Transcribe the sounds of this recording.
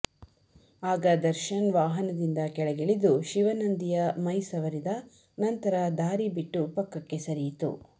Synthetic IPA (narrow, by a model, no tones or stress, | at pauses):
aːɡɐd̪ɐɾʃɐnʋaːɦɐnɐd̪ind̪ɐkɛɭɛɡeɭid̪uʃiʋɐnɐnd̪ijɐmɐjsɐʋɐɾid̪ɐ | nɐnt̪ɐɾɐd̪aːɾibiʈːupɐkːɐkːe̞sɐɾijit̪ṵ